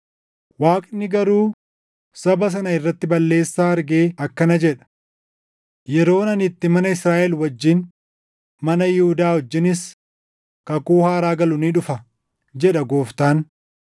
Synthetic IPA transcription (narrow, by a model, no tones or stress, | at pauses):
waːkʼnːɪɡɐɾuː | sɐbɐs̬ɐnɐɪrːɐt̪ːɪbɐlːe̞ːsːaːɐɾɡeːɐkːɐnɐd͡ʒɛᶑɐ̥ | jɛɾo̞ːnɐnɪt̪ːɪmɐnɐɪsɾaːʔɛlwɐd͡ʒːɪn | mɐnɐjɪhʊd̪aːhɔd͡ʒːɪnɪs | kɐkʼuːhaːɾaːɡɐlʊniːᶑʊfɐ | d͡ʒɛᶑɐɡo̞ːft̪aːn